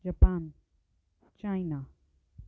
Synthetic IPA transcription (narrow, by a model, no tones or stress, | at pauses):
d͡ʒapaːn | t͡ʃajna